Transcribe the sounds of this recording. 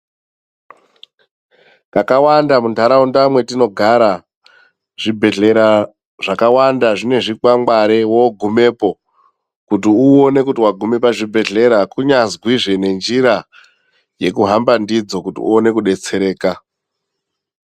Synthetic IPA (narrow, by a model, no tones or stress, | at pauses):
kakawandamundʱaɾaundamwe̞tino̞ɡʱaɾa | ʐ̥ibʱe̞ɮe̞ɾa | ʐakawandaʐine̞ʐikwaŋɡaɾewoɡʱume̞ːpo̞ | kutiuone̞kutiwaɡʱume̞paʐibʱe̞ɮe̞ɾakuɲazɡwiʐe̞ne̞nd͡ʒiɾa | je̞kuɦambandid͡zo̞kutḭṵone̞kuɗe̞t͡se̞ɾe̞ːka